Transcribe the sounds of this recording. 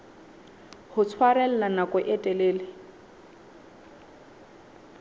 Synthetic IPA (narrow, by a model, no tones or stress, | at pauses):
hʊt͡sʰwaɾɛl̩nanakʼʊʔɛtʼɛleːlɪ